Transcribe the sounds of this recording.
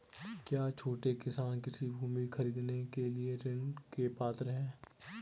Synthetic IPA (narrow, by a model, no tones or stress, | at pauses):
kjaːt͡ʃʰoːʈekɪsaːnkɪsibʱuːmixʰɐɾiːd̪nekelieɾɪɳkepaːt̪əɾɦɛ̃ː